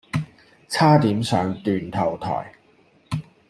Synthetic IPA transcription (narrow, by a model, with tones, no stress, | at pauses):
t͡sʰaː˥t̪iː˨˥msœː˨˧ŋt̪yː˨nt̪ʰɐ˨˩wt̪ʰɔ̰ː˨˩j